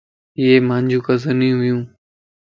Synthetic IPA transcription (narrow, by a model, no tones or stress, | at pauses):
ieːmãːɲd͡ʑʱũːkəzənĩːɦʊjũː